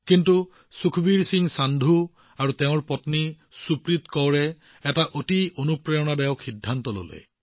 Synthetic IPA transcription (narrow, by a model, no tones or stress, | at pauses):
kintu | sukʰbiɹsiŋsand̪ʱu | aɹuteʊ̃ɹpɔtni | supɹit̪kɔwɹɛ | ɛtaʔotiʔonupɹɛjɔnadɛjɔkʰːidʱːantɔlo̰lɛ̰